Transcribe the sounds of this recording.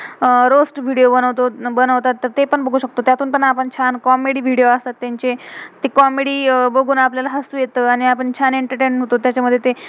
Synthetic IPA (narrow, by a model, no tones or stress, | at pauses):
əɾosʈʋʱiɽijobənəʋt̪obənəʋt̪at̪ːəɾt̪epəɳbəɡʱuɕək̚t̪ot̪jat̪uːnpəɳapəɳt͡ɕʰankɔmeɽiːʋ̤ʱiɽijoəst̪at̪ːjaɲt͡ɕet̪ekɔmeɽiːbəɡʱuːnapljalaɦəsuːjet̪əːaɽ̃iapəɳt͡ɕʰaniɳʈəɾʈenɦot̪ot̪jat͡ɕaməd̪ʱːjet̪e